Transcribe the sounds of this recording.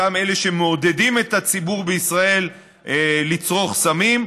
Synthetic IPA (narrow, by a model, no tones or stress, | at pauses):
ame̞le̞ʃemeode̞dimet̪at͡sibuʁbeisʁae̞l | elit͡sʁo̞χsamim